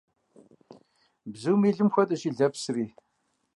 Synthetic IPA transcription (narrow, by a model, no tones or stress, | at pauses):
bzuwmiːɮɨmxʷɐtʼɐʃiːɮɐpsriː